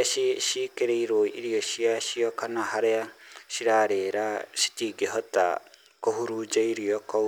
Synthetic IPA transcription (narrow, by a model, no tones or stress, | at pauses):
iʃikeɾeiɾoiʔiɾioʃiaʃiokanaɦaɾeaʃiɾaɾeɾaʃi̥tiɡeɦɔta̰ | koɦuɾud͡ʒaiɾioko